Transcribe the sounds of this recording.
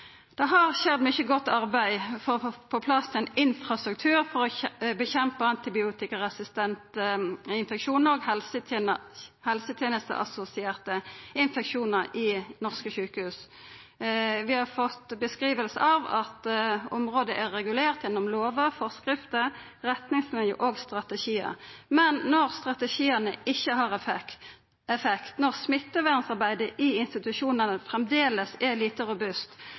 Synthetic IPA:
d̪̥ɛɦɑʁʃɛd̪mʏçəɡɔt̪ːɑʁbæɪfɔpʰɔpʰlɑst̪ʰɪɛnɪnfʁɑst̪ɾʉk̚t̪ʰʉːɾfɔʁɔbəçɛmpəɑnt̪ɪbɪuːt̪ɪkəʁɛsɪst̪ɛnt̪əɪnfɛkʃuːnəɾɔɡhɛlsə | hɛlsət̪ʰjeːnəst̪ə̰ʔɑ̰sʊsɪeːʁt̪əɪnfɛkʃuːnəɾɪnɔʁskəʃʉːkəhʉːs | ʋɪhɑɾfɔt̪ːbəskʁiːʋəlsə̰ɑʋɑt̪ɔmʁoːd̪əʔæʁɛɡʉleːʁt̪jɛnːɔmloːʋəʁfɔʁskʁɪft̪ə | ʁɛt̪nɪŋsmɪnjə̰ʔoɡst̪ʁɑt̪əʃiːə̰mɛnːɔʁst̪ʁɑt̪əʃiːənə̰ɪçːəɦɑʁ | ɛfɛkt̪nɔʁsmɪt̪ːəʋæʁnsɑʁbæɪd̪əʔɪɪnst̪ɪt̪ʉʃuːnənəfʁɛmd̪eːləsɛliːt̪əɾʊbʉst̪

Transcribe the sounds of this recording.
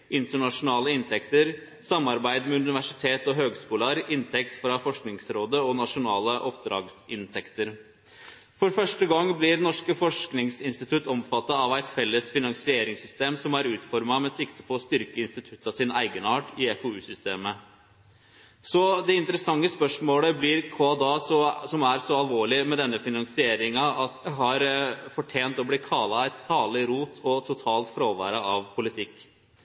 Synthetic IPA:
ʔɪnt̪əɳɑʂʊnɑːləɪnt̪ʰɛkt̪əɾ | sɑmːɑɾbæɪd̪mɛʉnɪʋæʂɪt̪ʰeːt̪ɔɦøːɡskuːlɑɾɪnt̪ʰɛkt̪fɾɑfɔʂknɪŋsɾoːd̪əɔnɑʂʊnɑːləʔɔpd̪ɾɑ̰ːɡsɪnt̪ʰɛkt̪əɾ | fɔɾfœʂʈəɡɑŋːblɪɾnɔʂkəfɔʂknɪŋsɪnst̪ɪt̪ʰʉt̪ɔmfɑt̪ːɑːʋæɪt̪fɛlːəsfɪnɑŋsɪeːɾɪŋsʏst̪eːmsɔmæɾʉːt̪fɔɾmɑmɛsɪkt̪əpʰɔːst̪ʏɾkəɪnst̪ɪt̪ʰʉt̪ːɑsɪnæɪɡənɑːʈɪɛfɔʉːsʏst̪eːmə | sɔd̪ɛɪnt̪əɾəsɑŋːəspœʂmoːləblɪɾkʰoːɑd̪ɑːsɔsɔmæɾsɔɑlʋoːɭɪmɛd̪ɛnːəfɪnɑŋsɪeːɾɪŋɑɑt̪ɦɑɾfɔʈʰeːnt̪ɔblɪkʰɑːlɑæɪt̪sɑːɭɪɾuːt̪ʰɔt̪ʰʊt̪ʰɑːlt̪fɾoːʋæ̰ːɾəɑʋpʰʊlɪt̪ʰɪkː

